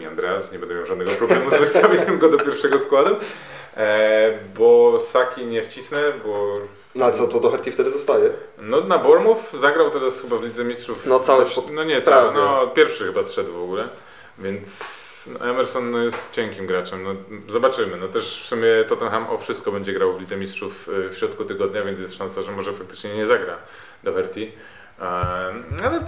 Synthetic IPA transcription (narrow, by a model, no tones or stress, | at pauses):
iand̪ɾɛasɲɛbɛnd̪ɛmʲjawʐad̪nɛɡɔpɾɔbɛmuzvɛst̪ʰavʲiɲɛmɡɔd̪ɔpʲjɛɾfʂɛɡɔskwad̪u | bɔsakʲiɲɛft͡ɕisnɛbɔ | nalɛt̪sɔt̪ɔd̪ɔxɛɾt̪ʲift̪ɛd̪ɘzɔst̪ajɛ | nɔnabɔɾmufzaɡɾawt̪ɛɾasxɘbavlʲid̪zɛmʲist̪ʂufnɔt̪sawɛnɔɲɛt̪sawɛnɔpʲjɛɾfʂɨxɘbasʂɛd̪wvɔɡulɛ | vʲjɛnt̪s | nɔ̰ʔɛmɛɾsɔnːɔjɛst̪t͡ɕɛŋkʲimɡɾat͡ʂɛmnɔzɔbat͡ʂɘmɘnɔt̪ɛʂfsumʲjɛt̪ɔt̪ɛnxamʔɔ̰fʂɨst̪̚kɔbɛɲd͡ʑɛɡɾawvlʲid̪zɛmʲistʂuffɕɾɔt̪̚kut̪ɘɡɔd̪ɲavʲjɛnt̪jɛst̪ʂãnsaʐɛmɔʐɛfakt̪ɘ̥t͡ʂɲɛɲɛzaɡɾa | d̪̥ɔxɛɾt̪ʲi | alɛ